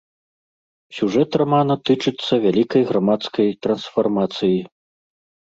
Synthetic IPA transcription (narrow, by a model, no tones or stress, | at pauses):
sʲuʐɛt̪ramanɐt̪ɨt͡ʂɨt̪sːɐvʲalʲikɐjɣɾamat̪skɐjt̪ɾɐnsfarmat̪sɨji